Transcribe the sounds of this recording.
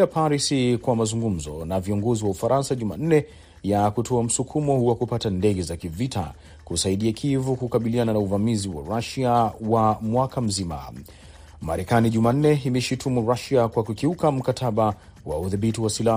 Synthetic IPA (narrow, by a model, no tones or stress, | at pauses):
apaɾisikwamazuŋɡum̩zɔ̰naviɔŋɡɔziwaufaɾansaʄuma̰n̩nɛ | jakutʰɔam̩sukʰumɔhuwakupatandɛɡɛzakivitʰa̰ | kusaiɗiakʰivukukaɓiliananauvamiziwa̰ɾaʃiawamwakam̩zima̰ | ma̰ɾɛkaniʄuman̩nɛimɛʃitʰumuɾaʃiakwakukiukam̩katʰaɓa | wauðiɓitiwasila